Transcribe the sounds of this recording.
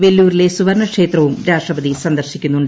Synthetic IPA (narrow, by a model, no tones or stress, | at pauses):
ʋe̞lːuːɾile̞suʋɐɾɳɐkʂe̞ːt̪rɐʋumɾaːʂʈrɐbɐd̪isɐnd̪ɐrɕikʲːunːuɳɖ